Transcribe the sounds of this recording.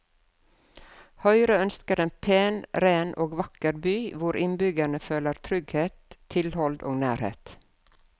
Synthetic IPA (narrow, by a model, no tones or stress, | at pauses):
hœʏɾəœnskəɾeːnpʰeːnɾeːnʔoːɡʋɑkəɾbyːʋʊɾʔɪnbʏɡæɳəføːləɾt̪ʰɾʏɡheːt̪ʰɪlhɔld̪o̰ːɡnæːɾhḛːt̪